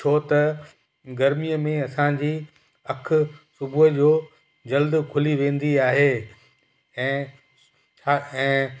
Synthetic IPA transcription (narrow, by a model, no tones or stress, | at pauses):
t͡ʃʰot̪ɐ | ɡɐɾmijəmẽɐsãd͡ʑiː | ɐk̆ʰsʊbʱʊɦəd͡ʑoː | d͡ʑɐld̪kʰʊliʋẽːn̆d̪iaːɦeː | ɛ̃ː | aɛ̃ː